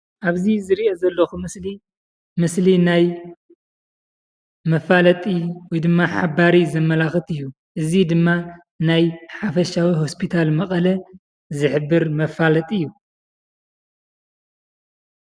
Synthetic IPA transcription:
ʔaβzizɨɾiʔozɐlːɐxumɨsli | mɨslinaj | mɐfalɐt̪ʼiwɔjd̪ɨmːaħabaɾizɐmːɐlaxɨt̪ɨjːu | ʔɨzid̪ɨmːa | najħafɐʃawiɦo̞spʰit̪ʰalmɐkʼɐlɐ | zɨħɨbːɨɾmɐfalɐt̪ʼiɨjːu

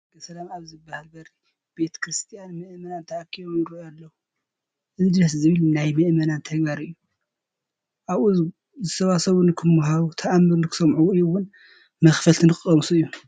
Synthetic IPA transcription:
b̥ɐsɐlamaβzɨbːahalbɐɾi | b̥e̞t̪ʰkɾɨst̪ʰijanmɨʔmɐnant̪ʰɐʔakʰːiβomɾialːɐwu | ʔɨzɨd̪ɾɐs̬zɨβɨlnajmɐʔmɐnant̪ʰɐɡbaɾɨɨjːu | ʔaβuz | zɨsʰɐβasɐβunɨkʰɨmːuɦaβut̪ʰɐʔamːɨɾnɨkʰɨ̥sɐmʕuɨjwʊn | mɐxfɐlt̪ʰinɨkʼɐmsuɨjːu

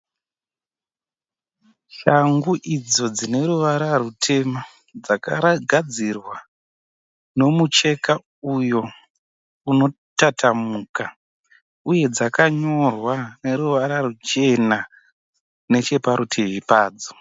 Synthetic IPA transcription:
ʃaŋɡuʔid͡zo̞d͡zine̞ɾuʋaɾarutʰe̞ma | d͡zaka̰ɡʱad͡zirwa | no̞mut͡ʃe̞ka | ujo̞ | uno̞ | tatʰamuka | uje̞d͡zakaɲo̞rwane̞ɾuʋaɾarut͡ʃe̞na | ne̞t͡ʃe̞paɾutʰeʋipaːd͡zo̥

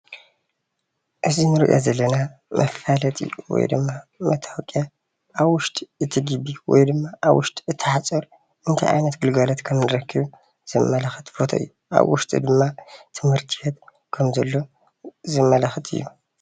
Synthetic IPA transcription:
ʔɨzinɨɾiʔo̰zɐlːɐnamʔɐfalɐt̪ʼḭwɔ̰jd̪ɨmːamɐt̪ʰawkʼja | ʔaβwʊʃt̪ʼiɨt̪ʰiɡɨbiwɔ̰jd̪ɨmːaʔaβwʊʃt̪ʼɨt̪ʰːɨħat͡sʼɐɾ | ʔɨnt̪ʰa̰jʔa̰jnɐt̪ɡɨlɡɐlot̪kʰɐmnɨɾɐkʰːɨβ | z̥ɨmːɐlɐxɨt̪fot̪ʰo̰ɨ̰jːuʔa̰βwʊ̰ʃt̪ʼḭd̪ɨmːat̪ʰɨmhɨɾt̪ʰihet̪ | kʰɐmzɐlːo̞ | zɨmːɐlɐxɨt̪ʰʼɨ̰jːu

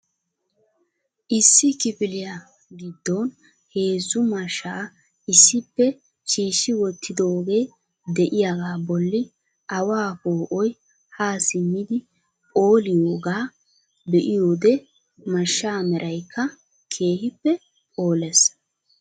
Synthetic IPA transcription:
ʔɪsːɪkɪpɪlɪja | ɡɪd̪ːon | he̞ːzːʊmɐʃːaː | ʔɪsːɪpːɛ | t͡ʃiːʃːɪwɔt̪ʰːɪd̪o̞ːɡe̞ː | d̪ɛʔɪjaɡaːbɔlːɪ | ʔɐwaːpoːʔɔj | haːsɪmːɪd̪ɪ | o̞ːlɪjoːɡaː | bɛʔɪjo̞ːd̪ɛ | mɐʃːaːmɛɾʔɐjkʰːɐ | kʰe̞ːhɪpːɛ | o̞ːlɛs

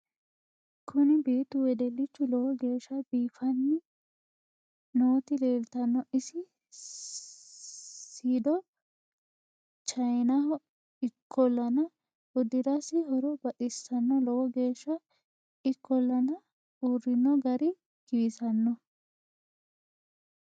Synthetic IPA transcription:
kʰʊnɪbiːt̪ʊwɛd̪ɛlːɪt͡ʃːʊlɔwɔɡe̞ːʃːɐbiːfɐnːɪ | noːt̪ɪleːlt̪ɐnːɔʔɪsɪ | siːd̪ɔ | t͡ʃɐjnɐhɔ | ɪkʰːɔlːɐnɐ | ʔʊd̪ɪɾɐsɪɦɔɾɔbɐtɪsːɐnːɔlɔwɔɡeːʃːɐ | ɪkːɔlːɐnɐ | urːɪnːɔɡɐɾɪ | kɪɪsɐnːɔ

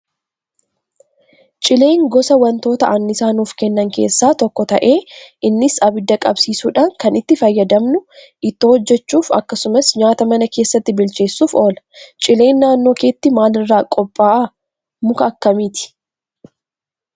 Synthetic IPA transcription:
t͡ʃʼɪle̞ːŋɡɔsɐwɐnt̪o̞ːt̪ɐʔɐnːɪsaːnuːfkɛnːɐŋke̞ːsːaːt̪ɔkːɔt̪ɐ̰ʔe̞ːʔɪnːɪsɐbɪd̪ːɐkʼɐbsiːsuːᶑaːŋkɐnɪt̪ːɪfɐjːɐd̪ɐmnʊ | ʔɪt̪ːɪhɔd͡ʒːɛt͡ʃːuːfɐ̰kːɐsʊmɐsɲaːt̪ɐmɐnɐke̞ːsːɐt̪ːɪbɪlt͡ʃe̞ːsːuːfo̞ːlɐ̥t͡ʃʼɪle̞ːnːaːnːo̞ːkeːt̪ːɪmaːlɪrːaːkʼɔpʼːaːʔɐ | mʊkɐːkːɐmiːt̪ɪ̥

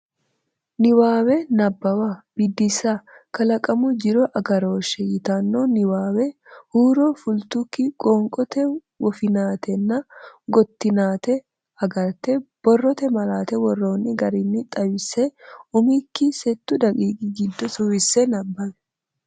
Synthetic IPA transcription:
nɪwaːwɛnɐbːɐwɐb̥ɪd̪ːɪsakɐlɐkʼɐmʊd͡ʒɪɾɔʔɐɡɐɾo̞ːʃɛjɪt̪aːnːonɪwaːwɛhuːɾoːfʊlt̪ʊkːɪkʼoːŋkʼɔt̪ɛ | wɔfɪnaːt̪ɛnːɐɡɔt̪ːɪnaːt̪ɛ | ɐɡɐɾt̪ɛb̥ɔrːɔt̪ɛmɐlaːt̪ɛwɔrːo̞ːnːɪɡɐɾɪnːɪt̪ʼɐwɪsɛʊmikːɪsɛt̪ːʊd̪ɐɡʼiːɡʼɪɡɪd̪ːɔsʊwɪsːɛnɐbːɐmɛ̥

